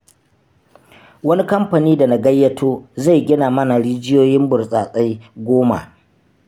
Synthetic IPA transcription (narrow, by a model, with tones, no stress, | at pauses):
wɐ˦ni˦kɐ˦mɸa˨niː˦da˨na˨ɡɐ˦jːɐ˦tʰoː˦za˦˨jɡʲɪ˦naː˨mɐ˦na˨ɽiː˦d͡ʒɪ˦joː˦jɪ˦mbʊ˨rsʼaː˨sʼa˦jɡʷoː˦ma̰˨ʔ